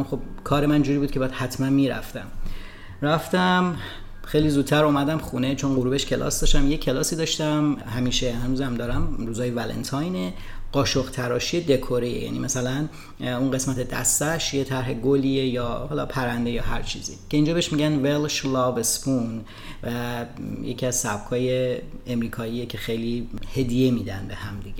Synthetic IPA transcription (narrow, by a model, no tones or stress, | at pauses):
xob̥kʰɒːɾemænd͡ʒuːɾiːbud̪kʰe̞bæd̪̥hæt̪ʰmænmiːɾæ̰ft̪æm | ɾæft̪æm | xejlizuːd̪̚t̪ʰæɾʔumæd̪æmxuːne̞t͡ʃʰo̞nɢoɾuːbe̞ʃcʰe̞lɒ̰ːsd̪ɒːʃt̪æmjecʰe̞lɒːsiːd̪ɒːʃt̪æmɦæmiːʃehænuːzæmd̪ɒːɾæmɾuːzɒːjevælḛnt̪ʰɑjne | ɢ̥ɒːʃoɣt̪ʰæɾɒːʃied̪e̞kʰoɾeḛjæ̰ːnḭːmæsælæn | unɢe̞smæt̪ʰe̞d̪æ̰st̪æʃje̞t̪ʰæɾɦe̞ɡoliejɒːhɒːlɒpʰæɾænd̪e̞jɒːɦæ̰ɾt͡ʃʰḭːzḭcʰe̞ind͡ʒɒːbeʃmiɟænvelʃlɒvespʰun | væje̞cʰiæzsæb̥kʰɒːje̞ːmɾiːkʰɒːiːjecʲʰe̞xe̞jlihe̞d̪ijemiːd̪ænbe̞hæmd̪iɟe